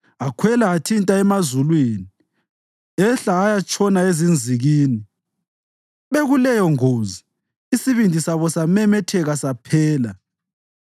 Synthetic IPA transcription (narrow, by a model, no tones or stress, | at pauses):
akʰwɛlaːtʰintʼaɛmazulwiːni | ɛɬaːjat͡ʃʰʼɔnaezind͡zʱiɣiːni | βeɣulɛjɔŋoːzi | isiβindʱisaβɔsamɛmɛtʰɛɣasapʰɛːla